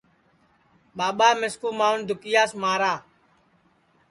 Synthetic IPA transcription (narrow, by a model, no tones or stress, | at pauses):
ɓaːɓaːmɪskuːmaːʊnd̪ʱʊkɪjaːsmaːɾaː